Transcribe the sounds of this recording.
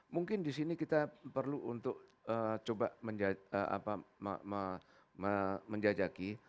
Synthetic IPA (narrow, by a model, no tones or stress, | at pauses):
muŋkɪndisinikit̪apərluʔunt̪ʊk̚ət͡ʃoba̰məɲd͡ʒaəʔa̰paəmə | məməɲd͡ʒad͡ʒaki